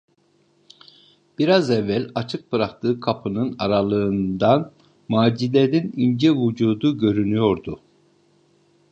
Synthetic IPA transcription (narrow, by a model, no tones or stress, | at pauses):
b̥iɾazɛvːælʲat͡ʃʰɯk̚bɯɾak̚t̪ʰɯːkʰapʰɯnɯnaɾalˠɯɯnd̪an | maːd͡ʒilʲeninind͡ʒɛvud͡ʒuːd̪uɟø̞ɾynyjo̞ɾd̪ʊ